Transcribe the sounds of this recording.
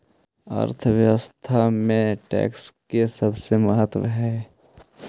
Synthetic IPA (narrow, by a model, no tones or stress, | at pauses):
ə̰ɾt̪ʰəʋjəwəst̪ʰamẽʈɛ̰ːkskesɐbsemɐɦət̪wə̰ɦɛː